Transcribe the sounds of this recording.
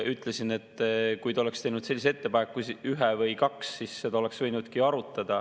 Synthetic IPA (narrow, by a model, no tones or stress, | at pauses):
yt̪ːˑle̞sine̞t̪ːˑkujt̪ɑo̞le̞kst̪ejnud̪̥se̞lːis̬et̪ːe̞pɑnekːusyɦevɤjkɑksːisːe̞d̪ɑole̞ksvɤjnud̪̥kiɑɾut̪ːˑɑd̪̥ɑ